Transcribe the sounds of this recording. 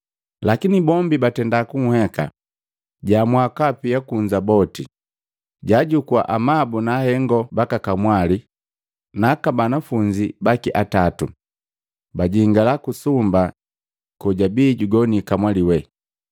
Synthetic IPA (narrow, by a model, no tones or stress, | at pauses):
lakinibɔmbibatɛndakuŋ̩hɛka̰ | ɟamwakapijakuɲd͡ʒabɔti | ɟaɟukwa̰ʔamabunahɛŋɡɔbakakamwali | nakabanafuɲd͡ʒibakiʔatatu | baɟiŋɡalakusumba | kɔɟabiːɟuɡɔnikamwaliwɛ